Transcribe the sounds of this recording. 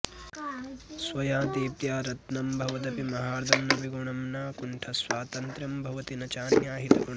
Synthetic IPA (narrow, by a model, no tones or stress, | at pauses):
sʋɐjãːd̪iːpjaːɾɐt̪nɐmbʱɐʋɐd̪ɐpimɐɦaːɾɐd̪ʱɐmnɐʋiɡuɳɐmnaːkuɳʈʰɐsʋaːt̪ɐnt̪ɾɐmbʱɐʋɐt̪inɐt͡ʃaːnjaːɦit̪ɐɡuɳ